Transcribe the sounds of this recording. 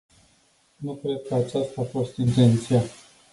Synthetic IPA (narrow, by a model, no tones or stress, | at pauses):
nukɾe̞d̪̚kəat͡ʃast̪aːfo̞st̪int̪e̞nt̪sija